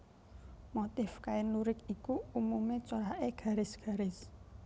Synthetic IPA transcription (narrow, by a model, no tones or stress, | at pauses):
mot̪ɪfkaɪnuɾɪk̚ikuumumet͡ʃoɾaʔeɡ̥a̤ɾɪsɡ̥a̤ɾɪs